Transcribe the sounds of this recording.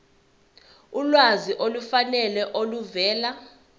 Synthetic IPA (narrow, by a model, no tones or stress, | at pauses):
ulwaziʔolufanɛlɛʔoluvɛːla